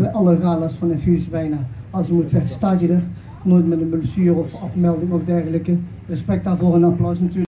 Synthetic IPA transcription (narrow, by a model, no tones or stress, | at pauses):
bɛʔɑlˠəraːlasfɑnənfysbɛjnaːɑlˠsəmutfɛχstatədər | noːjtmɛdənməlsyːrɔfɑfmɛlˠdɪŋɔfdɛrɣələkə | rəspɛk̚daːɹvoːrənaplœwsnatyː